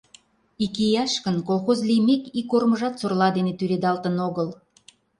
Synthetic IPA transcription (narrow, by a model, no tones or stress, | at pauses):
ikijɑʃkənkolˠxozlijmekikorməʒɑt̪sorlɑd̪enet̪yɾed̪ɑlt̪ənoɣəl